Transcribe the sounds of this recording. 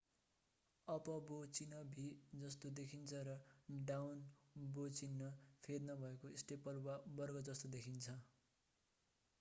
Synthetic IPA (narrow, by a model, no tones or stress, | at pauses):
ʌpʌbot͡sinʌbʱid͡zʌst̪od̪ekʰint͡sʰʌɾʌɖawnbot͡sinːʌpʰed̪nʌbʱʌekoesʈepʌlwabʌrɡʌd͡zʌst̪od̪ekʰint͡sʰʌ